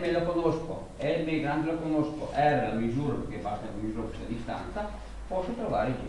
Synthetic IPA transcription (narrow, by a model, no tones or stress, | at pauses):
melakonosko̰ | ɛmeɡɾand̪olakonosko̰ʔɛːɾalamizuːɾapeɾkepast̪akomizuːɾakust̪ad̪ist̪a̰nt̪sa | pɔsːot̪ɾova̰ːɾed͡ʒ